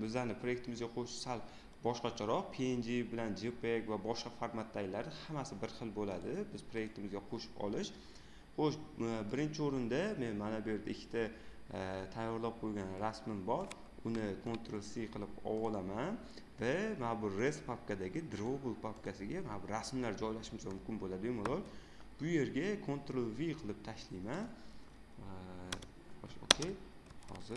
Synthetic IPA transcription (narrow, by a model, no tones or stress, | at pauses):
bɪzlaɾnɪpʰɾo̞jekt̪ɪmɪzɡʲaqʰoʃɪ̥salˠ | bɒʃqɑt͡ʃʰaɾɒqpʰeend͡ʒibɪland͡ʒepekʲvabɒʃqɑfaɾmat̪ʰːajlaɾnɪhamasɪbɪɾχɨlˠbolad̪ɪbɪz̥pʰɾo̞je̞k̚t̪ʰɪmɪzɡʲaqʰoʃɪ̥pɒ̰lˠɪʃ | χoʃbɪɾɪnt͡ʃʰɪoɾɪnd̪ame̞nmanabjeɾd̪aɪkʲʰːɪt̪ʰa | t̪ʰajːɒɾlˠap̚qʰojɡʲanɾasmɪmbɒɾ | ʊnɪkʰo̞nt̪ɾolˠsijqʰɨlˠɪpɒ̰wɒlˠaman | vamanabʊɾespʰapkad̪aɡʲɪd̪ɾobʊlˠpʰapkʰasɪɡʲamanabʊɾasmlaɾd͡ʒɒjlaʃɪmɪsamʊmkʲɪnbolad̪ɪmolˠoɾ | b̥ʊje̞ɾɡʲakʰont̪ɾolˠvijqʰɨlˠɪp̚t̪ʰaʃlijman | oʃo̰kʲʰej | hɒ̰zɪ